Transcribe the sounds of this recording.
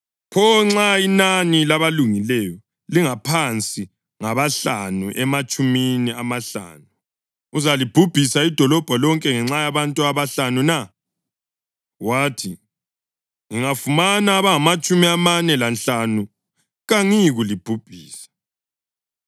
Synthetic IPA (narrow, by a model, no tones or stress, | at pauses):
pʰɔŋ͡ǁainanilaβaluŋilɛjɔ | liŋapʰant͡sʼi | ŋaβaɬanuʔɛmat͡ʃʼuminiamaɬa̰ːnu | uzalib̥ʱub̥ʱisaid̥ʱɔlɔb̥ʱɔlɔŋkʼɛŋɛŋ͡ǁajaβantʼuaβaɬanuna | waːtʰi | ŋiŋafumanaːβaŋamat͡ʃʼumiamanɛlanɬanu | ɣaŋiɣulib̥ʱub̥ʱiːsḁ